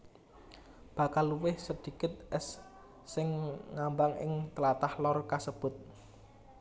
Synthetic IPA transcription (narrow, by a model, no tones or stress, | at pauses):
b̥a̤kalːuwɪhsəd̪̥i̤kɪt̪̚ɛsː | ɪŋŋambaŋɪ̰ŋt̪əlat̪ahlɔrkasəb̥ʊ̤t̪̚